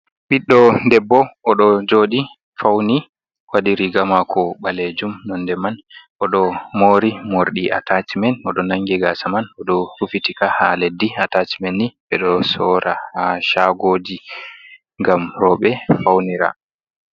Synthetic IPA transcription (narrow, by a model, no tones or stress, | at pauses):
ɓiɗːɔndɛbːɔɔɗɔd͡ʒoɗi | fawni | wadiɾiɡamakʰɔɓaled͡ʒumnɔndɛmanʔɔɗɔmoːɾimoɾɗiʔa̰tat͡ʃimɛnɔɗɔnaŋɡɛɡasamanɔɗɔhufitikaha̰ledːiatat͡ʃi̥mɛnːiɓɛɗɔsɔːɾʔahaʃaɡoːd͡ʒi | ŋɡamɾɔɓɛfawniɾa̰